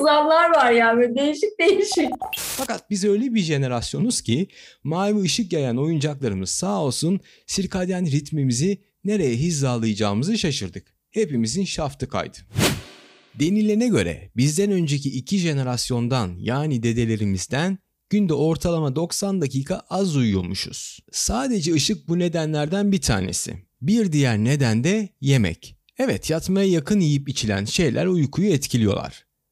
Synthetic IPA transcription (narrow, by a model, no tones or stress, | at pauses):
zamlˠaɾvaɾjaːnɛd̪ejiʃic̚d̪e̞jiʃicfakat̪̚bizø̞jlʲebiɾʒe̞ne̞ɾasjo̞nuz̥cʰimaːlʲmiɯʃɯk̚ɟejæno̞jund͡ʒaklˠaɾɯmɯz̥saːo̞lˠsun | siɾkʰad̪janɾit̪mimizi | ne̞ɾe̞jɛɦizːaːlˠɯjɯd͡ʒaːmɯzɯʃaʃɯɾd̪ɯk | he̞pimizinʃaft̪ʰɯkʰa̰jd̪ɯ̥ | d̪e̞nilʲeɾinɛɟø̞̰ɾɛ̰bizd̪ænø̞nd͡ʒe̞ciʔːcʰiʒe̞ne̞ɾasjo̞nd̪anjaːnid̪e̞d̪e̞lʲe̞ɾimizd̪æn | ɟ̥ynd̪ɛo̞ɾt̪ʰalˠamad̪o̞ksand̪aciːkʰaʔazujulˠmuʃṵz̥saːd̪e̞d͡ʒɛɯʃɯk̚bune̞d̪ænlʲæɾd̪ænbit̪ʰa̰ːnḛsɪ̰ | biɾd̪ijæɾne̞d̪ænd̪ɛje̞mɛ̰c | ɛvɛt̪ʰjat̪majajakʰɯnjijipit͡ʃʰilʲæ̰nʃe̞jlʲʔæ̰ɾujkʰujuɛt̪cʰilʲijo̞̰lˠa̰ɾ̥